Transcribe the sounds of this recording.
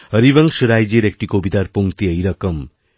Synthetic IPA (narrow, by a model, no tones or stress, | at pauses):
əɾiʋəŋkʃɾajd͡ʒeɾek̚ʈikobit̪aɾpoŋkt̪iəjɾɐkəm